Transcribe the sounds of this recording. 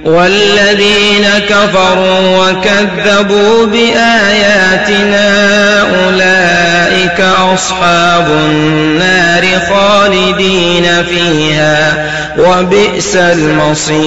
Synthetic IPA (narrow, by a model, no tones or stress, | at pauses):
walːaðiːnakafɑɾˤuːwakaðːabuːbɪʔaːjaːt̪ɪnaːʔʊlaːʔɪkaʔɑsˤħɑːbʊ | nːaːɾɪxɑːlɪd̪iːnafiːhaː | wabɪʔsalmɑsˤiː